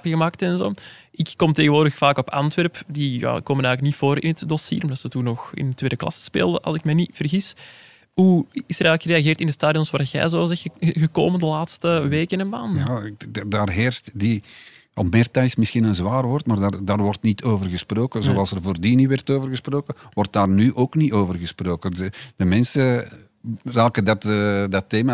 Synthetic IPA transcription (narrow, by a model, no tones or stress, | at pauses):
pɣəmaːk̚təɛnzo̰ːʔɪkːɔmteːɣənʋoːrdəxfaːkɔpɑ̰ntʋɛrpdija̰ːkoːmənɛːɣlək̚nitfoːɾɪ̰nətdɔsḭːɾɔmdɑtsətunɔxɪ̰ntweːdəklɑ̰sə̥spḛːlˠdəʔɑ̰lˠzɪkmɛniv̥ərɣis | ɦuɪsəɾɛːɣləkxəɾeaɣeːrtɪndəstaːdijɔnsʋaːɣɛ̰ːjzoːzɛɣəkoːməndəlaːtstəʋeːkənɛnmaːnjadaːrɦeːrstdi | ɔpmɪːrtɛjsmɪsxinənzwaːrʋɔrtmaːrdardaːrʋɔrtnitʰoːvərɣəsproːkəzoɑlˠsərvoːrdiniʋɛrtoːvərɣəsproːkəwɔrt̚daːrnyʔoːknitoːvərɣəsproːkədəmɛnsə | raːkədɑtːdɑteːma